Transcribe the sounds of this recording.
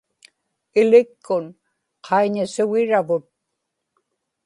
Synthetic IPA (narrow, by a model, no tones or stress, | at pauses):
ɪlɪkːʊn | qʰɑiɲasʊɣɪɻavʊt̪̚